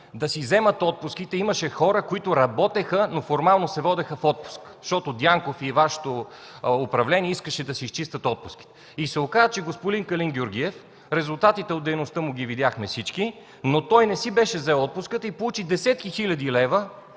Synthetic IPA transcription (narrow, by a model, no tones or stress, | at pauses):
d̪ɐsizɛmət̪ɔt̪̚pʊsk̟it̪ɛimɐʃɛxɔɾəkoit̪ʊɾɐbɔt̪ɛxənofoɾmalˠnosɛvɔd̪ɛxəfɔt̪̚pʊ̥skʃt̪ɔt̪od̪ʲjaŋkofivaʃɛ̥t̪oʊpɾɐvlɛnʲiɛiskəʃɛd̪ɐsiist͡ʃist̪ət̪ɔt̪̚pʊ̥ski̥t̪ɛ̥ | isɛokazət͡ʃɛɡospod̪iŋkɐlinɡʲjʊɾɡʲiɛf | ɾɛzʊlˠt̪at̪it̪ɛod̪ɛjnost̪əmʊɡʲivid̪jaxmɛfsit͡ʃki | not̪ɔjnɛsibɛʃɛzɛɔt̪̚pʊskət̪ipolˠut͡ʃid̪ɛsɛt̪̚kixilʲɐd̪ilɛvə